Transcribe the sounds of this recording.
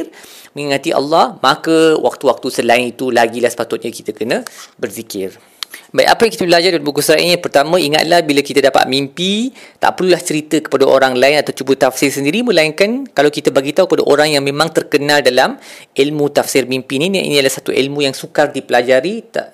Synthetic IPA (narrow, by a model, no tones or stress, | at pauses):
r | mə̃ŋiŋat̪iʔɑ̰lːɑhmakəwa̰k̚t̪uwak̚t̪usəlaɪnit̪ulaɡilahsə̥pat̪ʊt̪̚ɲaki̥t̪əkənə̃bərzikɪr | baj̰ʔa̰pajaŋkit̪əpəlad͡ʒardalbukusɾaʔḭnɲapərt̪amãiŋa̰t̪̚lahbilakit̪adapa̰t̪̚mimpit̪a̰ʔpərlulaht͡ʃəɾit̪əkə̥padaʔoɾaŋlaɪnat̪awt͡ʃubət̪afsɪrsəndiɾimə̃laiŋkankalawkit̪abaɡit̪aukəpadaʔoɾaŋjaŋmẽmãŋt̪ərkənãldalamʔilmũt̪afsɪrmimpinina̰ʔḭnidalahsat̪uʔḭlmũjaŋsukardipəlad͡ʒaɾit̪a̰ʔ